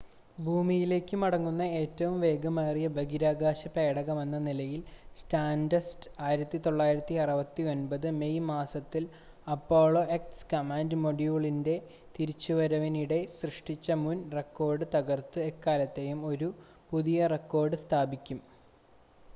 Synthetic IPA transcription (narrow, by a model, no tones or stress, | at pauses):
bʱuːmijile̞ːkːɨmɐɽɐŋːunːɐe̞ːtːɐʋumʋe̞ːɡɐmaːrijɐbɐɡiɾaːɡaːɕɐpe̞ːɽɐɣɐme̞nːɐnilɐjilstaːndɐstaːjiɾɐt̪ːit̪o̞ɭːaːjiɾɐt̪ːiɐrɐʋɐt̪ːio̞nbɐðɨmejmaːsɐt̪ːil | ɐpːo̞ːɭo̞ʔekskɐmaːndɨmo̞ɽjuːɭinde̞ | t̪iɾit͡ɕːuʋɐɾɐʋɐniɽe̞srɨʂʈit͡ɕːɐmunre̞kːo̞ːrɖɨt̪ɐɣɐrt̪ɨekːaːlɐt̪ːe̞jumo̞ɾu | puðijɐrekːo̞ːrɖɨst̪ʰaːbikʲːum